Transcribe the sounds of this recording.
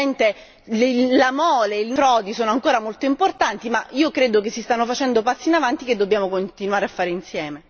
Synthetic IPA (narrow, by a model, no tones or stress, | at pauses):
ent̪e | llamɔːleilfɾɔːd̪isoːnoaŋkoːɾamolt̪oimport̪ant̪imaiːokɾeːd̪ok̬esːist̪anːofat͡ʃɛnd̪opasːiːnavant̪iked̪ːobjaːmokont̪inwaːɾeafːaːɾeinsjɛːme